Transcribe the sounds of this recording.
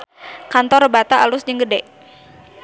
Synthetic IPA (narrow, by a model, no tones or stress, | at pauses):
kant̪ɔrbat̪aʔalʊsd͡ʒəŋɡədɛʔ